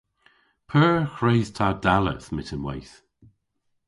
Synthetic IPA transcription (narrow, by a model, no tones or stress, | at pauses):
pʰɜːxɹeːz̥tʰadalə̰smɪtʰənwajθ